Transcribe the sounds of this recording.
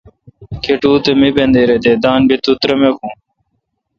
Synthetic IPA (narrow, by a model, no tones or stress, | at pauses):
kʰeʈuːt̪emibẽnd̪eːɾed̪eːd̪aːnbit̪ut̪ɾemekũː